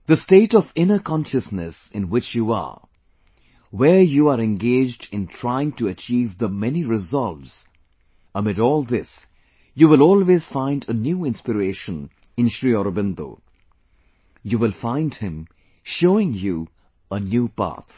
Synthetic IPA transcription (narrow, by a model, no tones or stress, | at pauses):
ð̥əsteːɾɔvɪ̃nəkʰɔ̃nʃəsnɨsɪ̃nwɪt͡ʃjua̰ | wəɹjuaɾɛ̃nɡeːd͡ʒdɪ̃ntʰɹ̥aɪɪ̃ŋtuət͡ʃiːvðəmɛniɾɪzʌlˠvz̥ | əmɪɾɔːlˠd̪ɪs | juwɪlɔːlˠwez̥fãɪ̃ndənjuːɪ̃nspɨɾeːʃə̃n | ɪ̃nʃɹiɔɾəbɪ̃nd̪o̰ː | juːwɪlˠfãɪ̃ndhɪ̃m | ʃoːɪ̃ŋju | ənjuːpa̰t̪ʰ